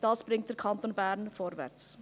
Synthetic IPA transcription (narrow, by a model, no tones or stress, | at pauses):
d̥ɑːsb̥ɾɪŋt̚d̥ɛɾkʰɑntonbɛɾnfɔːɾvɛ̰t͡s